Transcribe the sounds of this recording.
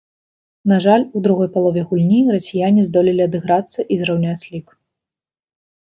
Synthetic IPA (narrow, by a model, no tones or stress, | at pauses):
naʐalʲud̪ɾuɣɔjpalˠɔvʲɛɣulʲnʲirɐsʲijanʲizd̪ɔlʲilʲiɐd̪ɨɣɾat̪sːɐʔizɾawnʲat͡sʲlʲik